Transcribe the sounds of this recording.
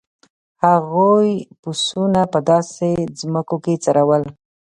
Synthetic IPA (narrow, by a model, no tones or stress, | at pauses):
haɣojpusunapəd̪ɑsezməkoket͡saɾawəl